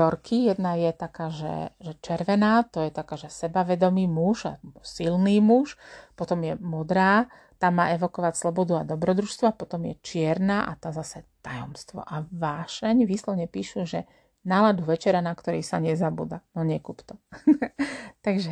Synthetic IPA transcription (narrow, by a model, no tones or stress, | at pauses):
t̪ɔɾkʰijɛd̪najɛt̪akaːʒɛ̰ʒɛt͡ʃɛɾʋɛnaːt̪ɔjɛt̪akaːʒɛsɛbaʋɛd̪ɔmiːmuʒa̰silniːmuʃpɔt̪ɔmjɛmɔd̪ɾaː | t̪aːmːa̰ːʔɛʋɔkɔʋacslɔbɔd̪uad̪ɔbɾɔd̪ɾuːʃst̪ʋɔapɔt̪ɔmjɛ̰t͡ʃɪɛɾnaːʔat̪aːzasɛt̪ajɔ̰mst̪ʋɔ̰ʔaʋaːʃɛɲʋiːslɔʋɲɛpiːʃuʒɛ | nalad̪uʋɛt͡ʃɛɾanakt̪ɔɾiːsaɲɛzabṵːd̪anɔɲɛkuːpt̪ɔ | t̪aɡʒɛ